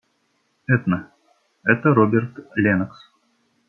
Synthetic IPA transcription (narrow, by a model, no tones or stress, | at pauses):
ɛt̪nə | ɛt̪əɾobʲert̪lʲenəks